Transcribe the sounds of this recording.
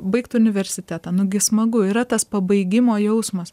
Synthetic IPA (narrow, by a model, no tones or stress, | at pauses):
bɐɪkt̪ʊnʲɪʋʲɛɾʲsʲɪt̪ʲæːt̪ɐnʊɡʲɪsmɐɡʊɪɾɐt̪ɐspɐbɐɪɡʲɪmoːjɛʊsmɐs